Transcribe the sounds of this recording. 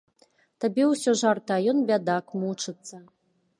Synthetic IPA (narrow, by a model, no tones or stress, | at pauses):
t̪abʲɛwsʲɔʐart̪ajɔnbʲad̪akmut͡ʂɨt̪sːɐ